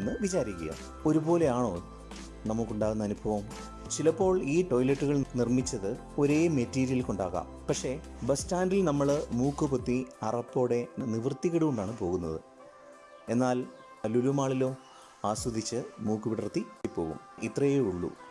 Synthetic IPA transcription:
nːɨʋit͡ɕaːɾikʲːɐ̰jɐ̰ | o̞ɾubo̞ːle̞aːɳoː | nɐmukːuɳɖaːɣunːɐːnubʱɐʋɐm | t͡ɕilɐpːo̞ːɭiːʈo̞jlɐʈːuɣɐɭnirmit͡ɕːɐðɨ | o̞ɾe̞ːmetːiːɾijɐlkuɳɖaːɣa̰ːmpɐkʂe̞bɐstaːndilnɐmːɐɭmuːkːɨpot̪ːiɐrɐpːo̞ːɽe̞niʋrt̪iɣɐɽɨɣuɳɖaːɳɨpo̞ːɣunːɐðɨ̰ | e̞nːaːl | ɐlulumaːɭilo̞ː | aːswɐd̪ʱit͡ɕːɨmuːkːɨpiɽɐrt̪ːiipːo̞ːɣṵmʔit̪rɐjeuɭːṵ

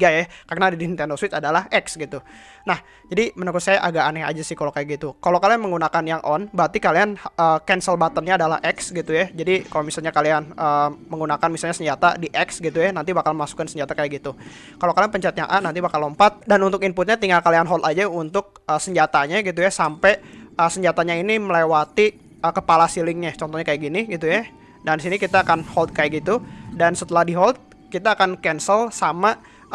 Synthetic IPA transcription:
ɡajakarnadidint̪ɛndoswɪt̪adalaɦɛksɡit̪u | nah | d͡ʒadimənukusajaʔaɡaʔanɛa̰d͡ʒasɪhkalokajaʔɡit̪ukalokalianməŋɡunakanjaŋʔɔnbat̪ikalianəːkɛnsəlbat̪ənɲaːdala̰hʔɛksɡit̪ujad͡ʒadikalomisalɲakalianəːməŋɡunakanmisalɲasəɲd͡ʒat̪a̰diʔɛksɡit̪ujanant̪̬ibakalmmasu̥kansəɲd͡ʒat̪akajaɡit̪u | kalokalianpəɲt͡ʃat̪̚ja̰ŋʔanant̪ibakalompat̪̚danunt̪ʊkinpʊt̪̚ɲat̪iŋalkalianɦɔlt̪ad͡ʒaunt̪ʊk̚əsəɲd͡ʒat̪aɲaɡit̪̬ujasampɛəsəɲd͡ʒat̪aɲainiməlewat̪i | əkəpalasilɪŋɲat͡ʃɔnt̪ɔhɲakajaʔɡiniɡit̪uja | dandisinikit̪aːkanhɔlt̪̚kajaʔɡit̪udansət̪əlahdiɦɔlt̪̚ | kit̪aːkankɛnsəlsama

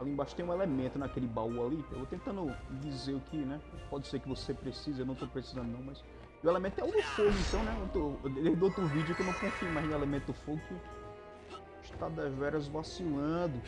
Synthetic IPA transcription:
alĩbaʃt̪ẽũelemẽnt̪ʊnɐkelɪbawualiḛwvot̪ẽnt̪ɐ̃nd̪ʊd͡ʒizeɾʊkʰɪnɛpɔd͡ʒɪseɾkɪvosepɾesizɐewnɐ̃w̃t̪opɾesi̥zɐ̃nd̪ʊnɐ̃w̃majs | uɛlemẽt̪ʊɛwd̪ʊfoɡʊĩt̪ɐ̃w̃nɛot̪ʊd̪ẽd̪owt̪ɾʊvid͡ʒʊekewnɐ̃w̃kõfimaznɛlemẽt̪d̪ʊfoɡukɪw | iʃt̪ad̪ɛvɛɾɐzvasilɐ̃d̪ʊ

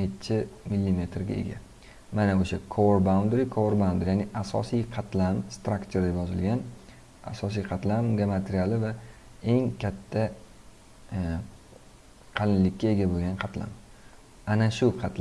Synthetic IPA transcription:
et̪t͡ʃʰɪmɪlʲːime̞t̪ɾɡʲa̰e̞̰ɡʲa̰ | manaoʃakʰoɾbawnd̪ɾikʰoɾbawnd̪ɾjanɪʔasɒ̰sijqʰɑt̪ʰlamst̪ɾakt͡ʃ̪ʰeɾd̪e̞pjɒzɪlɡʲan | a̰sɒs̬ijqʰɑt̪lamɡʲamat̪ʰeɾijalˠɪva | e̞ŋkʲʰat̪ʰːa | qʰɑlɪnlɪkʲʰːae̞ɡʲaboɡʲanqʰɑt̪la̰m | anaʃʊqʰɑt̪l

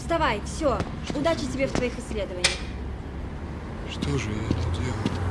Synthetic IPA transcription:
st̪ɐvajfsʲo | ʊd̪at͡ɕɪtʲɪbʲeft̪vɐixɨsʲlʲe̞d̪əvənʲɪjəx | ʂt̪oʐɨɛt̪t̪ʲe

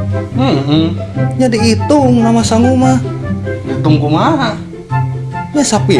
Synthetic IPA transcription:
m̩ | ɲadiit̪uŋnamasaŋuma | it̪uŋkumana | ɲasapi

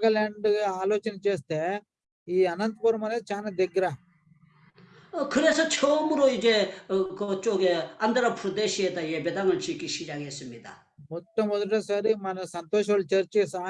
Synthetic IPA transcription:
ɡɐleɳɖɡeaːloːt͡ʃɐnet͡ʃeːst̪e | iːɐnɐnt̪ɐpɐɾmɐnet͡ʃaːnɐd̪eɡɾa | kʰɯɾesɔt͡ʃʰoːmuɾoid͡ʒekot͡ʃoɡeɐnd̪ɾɐpʰɾud̪eʃiet̪ajebed̪aŋɐlt͡ʃikiʃid͡ʒaɡesumid̪a̰ | mɔʈːɐmɔd̪ʈesɐɾimɐnɐsɐnt̪oːʃ̬ɐɭt͡ʃɐɾt͡ʃsaː

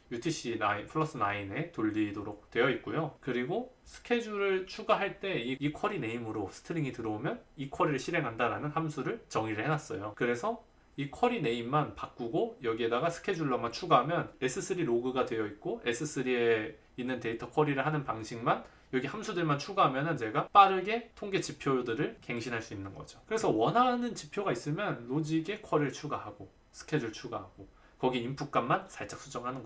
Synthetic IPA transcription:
jutʰiɕ͈ʰinaipʰɯɭːʌs͈ɯnaine̞toʎːidoɾok̚t͈we̞jʌit̚k͈ojokɯɾiɡosʰɯ̥kʰe̞d͡ʑuɾɯɭt͡ɕʰuɡaɦaɭt͈e̞iikʰʌɾine̞imɯɾosʰɯ̥tʰɯɾiŋitɯɾʌomjʌnikʰʌɾiɾɯɭɕʰiɾe̞ŋɦandaɾanɯnhamsʰuɾɯɭt͡ɕʌŋiɾɯɭhenas͈ʌjokɯɾe̞sʰʌ | ikʰʌɾine̞imːanpak͈̚uɡojʌɡie̞daɡasʰɯ̥kʰe̞d͡ʑuɭːaŋmant͡ɕʰuɡaɦamjʌne̞s͈ʰɯs͈ʰɯɾiɾoɡɯɡadwe̞jʌit̚k͈oe̞s͈ʰɯs͈ʰɯɾie | inːɯnte̞itʰʌkʰʌɾiɾɯɭɦanɯnpaŋɕʰiŋman | jʌɡihamsʰudɯɭmant͡ɕʰuɡaɦamjʌnɯnt͡ɕe̞ɡap͈aɾɯɡe̞tʰoŋɡe̞t͡ɕipʰjojodɯɾɯɭke̞ŋɕʰinɦaɭs͈uinːɯnɡʌd͡ʑokɯɾe̞sʰʌwʌnɦanɯnt͡ɕipʰjoɡais͈ɯmjʌnlod͡ʑiɡe̞kʰʌɾiɯɭt͡ɕʰuɡaɦaɡo | sʰɯ̥kʰed͡ʑuɭt͡ɕʰuɡa̰ɦaɡ̥o | kʌɡiimpʰuk̚k͈anmansʰaɭt͡ɕ͈aks͈ʰud͡ʑʌŋɦanɯnɡʌ

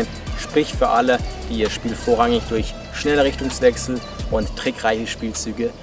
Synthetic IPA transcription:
ɪn | ʃpʁ̥ɪçtfyːɐʔaləd̥iːiːɐʃpiːlfoːɐʁaŋɪçd̥ʊɐç | ʃnɛləʁɪçtʊŋsv̥ɛksl̩ | ʔʊnttːʁ̥ɪkʁ̥aɪçəʃpiːlt͡syːɡə

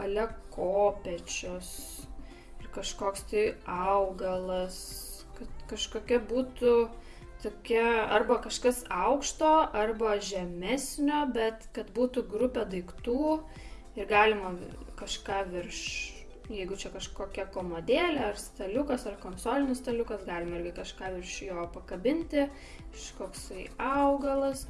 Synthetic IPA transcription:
ɐlʲɛkʰoːpʲɛt͡ʃʲos | ɪrkɐʃkoːkst̪ɐɪɐʊɡɐlˠɐs | kɐt̪kɐʃkoːkʲɛbuːt̪ʊ | t̪oːkʲɛɐrbɐkɐʃkɐsɐʊkʃt̪oːʔɐrbɐʒʲɛmʲɛsʲnʲoːbʲɛt̪kɐt̪buːt̪ʊɡɾʊpʲeːd̪ɐɪkt̪uː | ɪrɡɑːlʲɪmɐkɐʃkɑːʋʲɪrʃ | jɛɪɡʊt͡ʃʲɛkɐʃkoːkʲɛkoːmoːd̪ʲeːlʲeɐrst̪ɐlʲʊkɐsɐrkoːnsoːlʲɪnʲɪst̪ɐlʲʊkɐsɡɑːlʲɪmɐɪrʲɡʲɪkɐʃkɑːʋʲɪrʃjoːpɐkɐbʲɪnʲt̪ʲɪ | ʃkoːksɐɪɐʊɡɐlˠɐs

